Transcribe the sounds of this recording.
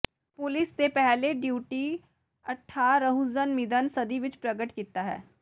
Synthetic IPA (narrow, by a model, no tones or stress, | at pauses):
pʊlɪsːepɛɦleɖjuːʈi | ɐʈʰːaːɾəɦuzənmɪd̪ənsəd̪iʋɪt͡ʃpɾəɡəʈkit̪aɦɛ̰ː